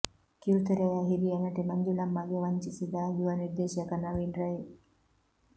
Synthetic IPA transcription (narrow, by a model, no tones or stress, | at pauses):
kiut̪eɾejaːɦid̪iɐnɐʈimɐɲd͡ʒulɐmːɐɡeʋɐɲt͡ʃisid̪aːjuʋaniɾd̪eːʃjɐkɐnɐʋiːnɾɐje